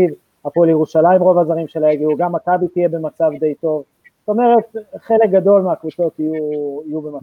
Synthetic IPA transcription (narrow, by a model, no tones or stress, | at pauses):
iv | apoljeʁuʃalaimʁo̞vazaʁimʃelaeɡiuɡamːakabit̪ijebe̞mat͡savd̪e̞jt̪o̞v | zt̪o̞me̞ʁe̞t̪χe̞lek̚ɡad̪o̞lmeakvut͡so̞t̪ijuijubema